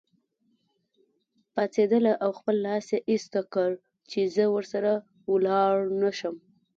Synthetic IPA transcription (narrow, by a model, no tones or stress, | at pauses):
pat͡sed̪əlaʔawxpəlːɑsjeʔist̪akəɽ | t͡ʃezəwəɾsaɾa | wlɑɽnaʃəm